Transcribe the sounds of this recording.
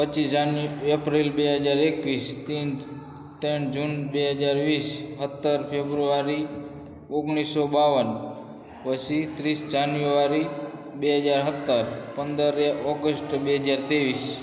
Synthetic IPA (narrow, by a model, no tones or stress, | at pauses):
pət͡ʃid͡ʒanepɾilbeɦəd͡ʒaɾekʋist̪in | t̪eɳd͡ʒunbeɦəd͡ʒaɾʋisɦət̪ːəɾpʰebɾuaɾi | oɡɳ̃isːobaʋən | ʋəsit̪ɾisd͡ʒanjuaɾi | beɦəd͡ʒaɾɦət̪ːəɾpənd̪əɾeɔɡəsʈbeɦəd͡ʒaɾt̪eʋis